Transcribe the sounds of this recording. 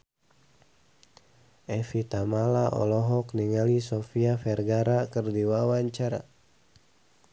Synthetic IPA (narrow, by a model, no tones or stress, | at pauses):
ʔɛfit̪amalaʔɔ̰lɔɦɔkniŋalisɔfiafɛrɡaɾakɨrdiwawaɲt͡ʃaɾa̰